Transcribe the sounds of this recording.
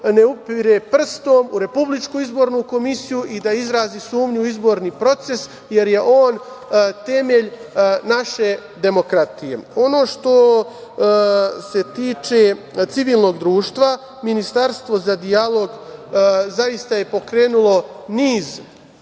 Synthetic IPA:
ne̞upiɾepr̩st̪oːmuɾe̞publit͡ʃkuizbo̞ːɾnuko̞misijuʔid̪aizɾaːzisuːmɲuizbo̞ːɾnipɾo̞t̪se̞s | je̞ɾje̞ʔo̞ːn | t̪e̞meʎnaʃe̞d̪e̞mo̞kɾat̪ijḛo̞no̞ːʃt̪o̞ | se̞t̪iːt͡ʃe̞ | t̪siʋiːlˠno̞ːɡd̪ɾuːʃt̪ʋa | minist̪aɾst̪ʋo̞zad̪ijalˠo̞ɡ | zaist̪aje̞po̞kɾe̞ːnulˠo̞niːz

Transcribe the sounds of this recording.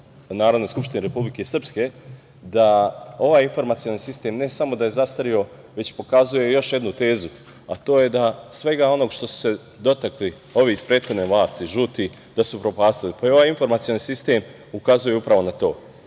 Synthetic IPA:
naːɾod̪nojskupʃt̪ineɾe̞publike̞sr̩pske̞ | d̪ao̞ʋaːjinfo̞ɾmat̪sio̞nisist̪e̞ːmne̞samo̞d̪aje̞zast̪aɾio̞ | ʋe̞t͡ɕpo̞kazuje̞jo̞ʃje̞d̪nut̪e̞ːzu | at̪o̞ːje̞d̪asʋe̞ɡao̞no̞ɡʃt̪o̞su̥se̞ | d̪o̞t̪akli | o̞ʋiispɾeːd̪xod̪neʋlaːst̪iʒuːt̪i | d̪̥asupɾo̞paːst̪ilipajo̞ʋaːjinfo̞ɾmat̪sio̞nisist̪e̞m | ukazujeupɾaʋo̞nat̪o̞̰ː

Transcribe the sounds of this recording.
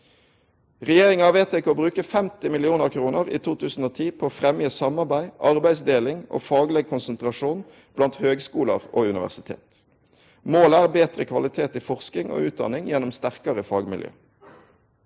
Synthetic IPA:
ʁɛjeːʁɪŋɑːʋeːt̪ʰekoːbʁʉːkəfɛmt̪ɪmɪlɪuːnəʁkʰʁuːnəʁḭːt̪ʰuːt̪ʰʉːsn̩oːt̪ʰiːpʰoːfʁɛmjəsɑmɑʁbæɪʔɑʁbæɪsd̪eːlɪŋʔo̰ːfɑːɡlɛɡ̚kʰʊnsənt̪ʁɑʂuːn | b̥lɑnt̪høːɡskuːlə̰ʁoːʉnɪʋæ̰ʁsɪt̪ʰḛːt̪ | moːlæːʁbeːt̪ʁə̰kʰʋɑlɪt̪ʰeːt̪ifɔʁskɪŋo̰ːʉːt̪̚d̪ɑ̰nɪŋjɛnːʊmst̪æʁkɑʁəfɑːɡmɪ̰ljø̰ː

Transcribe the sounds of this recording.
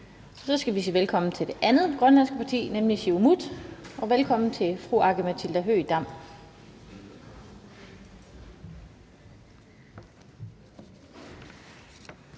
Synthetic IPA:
sɒ̽sɡ̥æʋis̬iːʋelkʰɒ̽m̰n̩t͡sʰe̝ld̥e̝ʔænð̩ˠɡ̥ʁɶnlæn̰sɡ̥əpʰɑ̈t͡sʰḭːnemliɕiumud̥ɒ̽ʋelkʰɒ̽m̰n̩t͡sʰe̝fʁuɑ̈ɡ̥əmæt͡sʰild̥æɦø̰d̥ɑ̈m̰

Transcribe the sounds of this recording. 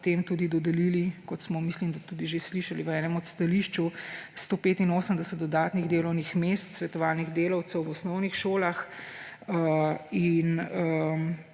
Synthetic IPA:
t̪emt̪uːd̪id̪ɔd̪ɛlilikɔt̪smɔmislimd̪at̪uːd̪iʒesliʃaliʋəɛːnɛmɔt̪st̪aliʃt͡ʃust̪oːpeːt̪inoːsəmd̪ɛsɛt̪̚d̪ɔd̪aːt̪niɣd̪eːlɔwnixmest̪sʋɛt̪ɔʋaːlniɣd̪eːlɐwt̪sɛwʋɔsnɔwnixʃoːlax | əinə

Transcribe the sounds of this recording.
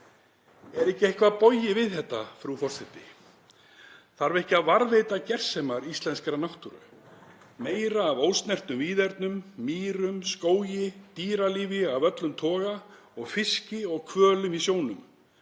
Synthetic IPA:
ɛɾɛhcɪehkvapɔjɪvɪðhɛt̪ːafɾufɔr̥sɛt̪ːɪ | θaɾvɪɛhcɪaðvaɾvejt̪acɛr̥sɛmaɾist̪lɛnskɾanawht̪uɾʏ̰ | meːjɾaːvowlst̪nɛr̥t̪nʏmviːðɛɾt̪nʏmːiːɾʏmskoːwjɪt̪iːɾaliːvɪavœt̪lʏmt̪ʰɔːɣa | ɔɣfɪscɪɔɣkʰvœːlʏmisjoːwnʏm

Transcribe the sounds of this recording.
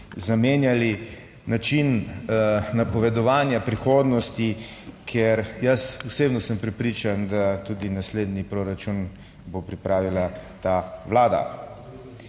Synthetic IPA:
zameːnjali | nat͡ʃin | napɔʋɛd̪ɔʋaːnjapɾixoːd̪nɔst̪i | kʰeɾjasuseːbnɔsəmpɾɛpɾiːt͡ʃand̪at̪uːd̪inasleːd̪nipɾoːɾat͡ʃun | bopɾipɾaːʋilat̪aʋlaːd̪a̰

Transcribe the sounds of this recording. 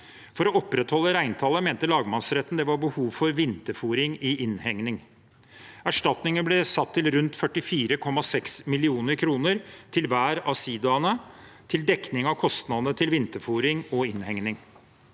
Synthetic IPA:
fɔɾɔɔpːɾɛt̪hɔlːəɾæɪnt̪ʰɑːlːəmeːnt̪əlɑːɡmɑnsɾɛt̪ːən̩d̪ɛʋɑɾbəhuːʋfɔɾʋɪnt̪əfuːɾɪŋɪʔɪnhɛŋnɪŋ | æʂʈɑt̪nɪŋənblɛsɑt̪ʰːɪlɾʉnt̪fœʈɪfiːɾəkʰɔmːɑsɛksmɪlɪuːnəɾkʰɾuːnəɾt̪ʰɪlʋæːɾɑsiːd̪ɑnət̪ʰɪld̪ɛknɪŋɑʋkʰɔst̪nɑd̪ənət̪ʰɪlʋɪnt̪əfuːɾɪŋɔɪnhɛŋnɪŋ

